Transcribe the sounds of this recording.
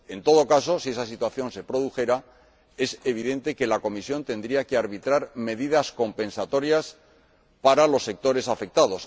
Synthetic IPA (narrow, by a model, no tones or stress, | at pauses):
e̞nt̪o̞ð̞o̞kaso̞sie̞sasit̪waθjo̞nse̞pɾo̞ð̞uxe̞ɾa | e̞se̞β̞iðe̞nt̪e̞ke̞lako̞misjo̞nt̪e̞nd̪ɾiakeaɾβit̪ɾaɾme̞ðiðasko̞mpẽ̞nsat̪o̞ɾjas | paɾalo̞sːe̞k̚t̪o̞ɾe̞safe̞k̚t̪aðo̞s